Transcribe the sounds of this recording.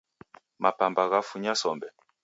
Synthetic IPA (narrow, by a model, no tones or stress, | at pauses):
mʔapambaɣafuɲasɔmbɛ